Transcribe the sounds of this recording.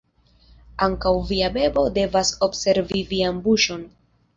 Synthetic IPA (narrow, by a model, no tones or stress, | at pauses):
aŋkawviabe̞bo̞de̞vasobse̞ɾvivianbuʃo̞n